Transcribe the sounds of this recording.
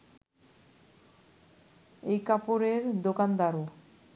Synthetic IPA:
ejkapoɾeɾd̪okand̪aɾo

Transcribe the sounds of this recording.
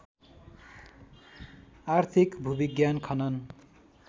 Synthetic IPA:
art̪ʰikbʱubiɡjankʰʌnʌn

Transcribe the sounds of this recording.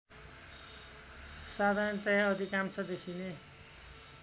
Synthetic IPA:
sad̪ʱant̪ʌjaʌd̪ʱikamt͡sʰʌd̪ekʰine

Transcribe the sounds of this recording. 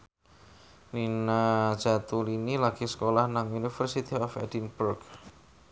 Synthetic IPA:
ninad̥d͡ʒ̥a̤t̪ulinilaɡ̥isə̥kolahnaŋunifərsit̪iɔfɛ̰dinb̥urɡ

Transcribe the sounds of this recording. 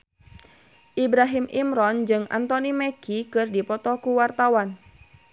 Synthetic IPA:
ʔibɾaɦimʔimɾɔnd͡ʒɨŋa̰nt̪ɔnimɛkikɨrdipɔt̪ɔkuwart̪awan

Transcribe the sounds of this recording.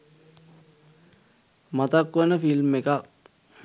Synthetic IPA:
mɐt̪akːɐnɐfilmːeka

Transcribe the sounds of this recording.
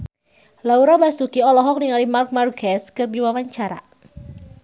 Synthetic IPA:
lauɾabasukiɔlɔɦɔk̚niŋalimark̚markɛskərbiwawaɲt͡ʃaɾa̰

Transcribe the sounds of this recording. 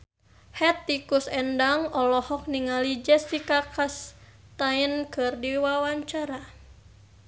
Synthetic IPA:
hɛt̪ːikusɛndaŋɔlɔhɔk̚niŋalid͡ʒɛsikakas | t̪ainkɨrdiwawaɲt͡ʃaɾa

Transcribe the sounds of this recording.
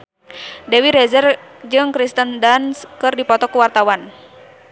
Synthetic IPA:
dɛwiɾɛzərd͡ʒɨŋkɾist̪əndanskɨrdipɔt̪ɔkuwart̪awan

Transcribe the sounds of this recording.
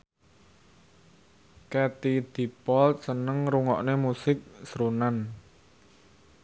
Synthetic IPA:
kɛt̪id̪̥i̤pɔlt̪̚sənəŋɾuŋɔ̰ʔnemusɪk̚sɾunan

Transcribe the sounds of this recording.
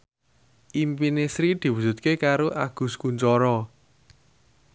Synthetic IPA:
ʔimpinesɾid̪̥i̤wusṳt̪̚kekaɾoʔaɡ̥ṳskuɲt͡ʃɔɾɔ

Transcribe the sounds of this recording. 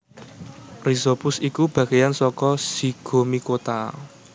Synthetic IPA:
rizopʊsikub̥ä̤ɡ̥ejansɔkɔsiɡ̥o̤mikot̪a

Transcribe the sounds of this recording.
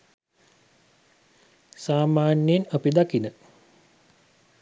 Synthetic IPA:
saːmaːnjenopid̪akinə

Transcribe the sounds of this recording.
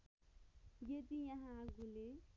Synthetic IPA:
ɡet̪ijãɦãɡule

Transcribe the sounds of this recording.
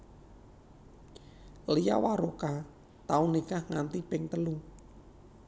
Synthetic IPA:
lija̰waɾoka | t̪aunikahŋant̪ipɪŋt̪əlu

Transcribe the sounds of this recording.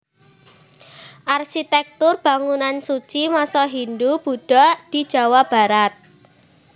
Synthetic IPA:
ʔarɕit̪ɛk̚t̪ʊrb̥a̤ŋunansut͡ʃimasɔɦind̪ub̥ṳɖ̥ɔd̪̥i̤̥d͡ʒ̥a̤wab̥a̤ɾat̪̚

